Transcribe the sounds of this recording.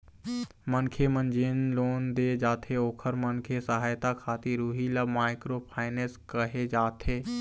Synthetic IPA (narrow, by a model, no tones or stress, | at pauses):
mənkʰemə̃nd͡ʒeːnloːnd̪ed͡ʒaːt̪ʰeoːkʰəɾmənkʰesəɦaːjt̪akʰaːt̪iɾuːɦilamaːɪkɾopʰaːɪneːskəɦed͡ʒaːt̪ʰeː